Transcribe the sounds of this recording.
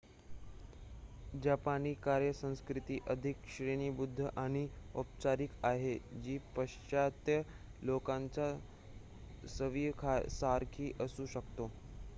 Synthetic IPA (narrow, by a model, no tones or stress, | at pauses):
d͡ʑapaniːkaɾjəsə̃w̃skɾit̪iːʔəd̪ʱikɕɾeniːbud̪ʱːəʔaɽ̃iopt͡ɕaɾikaɦed͡ʑiːpəɕt͡ɕat̪jə | lokaɲt͡ɕa | səʋijkʰasaɾkʰiːʔəsuːɕəkt̪o